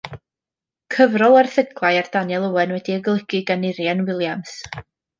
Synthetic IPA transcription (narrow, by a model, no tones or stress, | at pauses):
kʰəvrɔlˠarθəɡlˠajard̥anjɛlˠəwɛnwɛdiəɡlˠəɡ̥ɨɡanɪɾjanwɪlˠjams